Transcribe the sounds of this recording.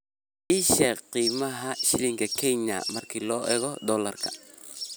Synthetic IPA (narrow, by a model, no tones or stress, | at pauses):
ʔiʃɛqiːmɐɦɐʃɪlɪŋkʰɐkʰɛɲɐ̰mɐrkʰiːlɔːʔɛːɣɔd̪ɔːlɐ̰rkʰɐ̥